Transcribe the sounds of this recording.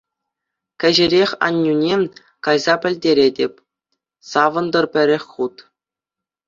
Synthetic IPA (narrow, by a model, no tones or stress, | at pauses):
kʲɘ̆ʑɘ̆ɾʲexʲɑ̰nʲːunʲe | kɑjzɑpʲɘ̆lʲdʲeɾʲedʲepʲ | sɑʋɤ̆nd̪ɤ̆rpʲɘ̆ɾʲĕxʲχut̪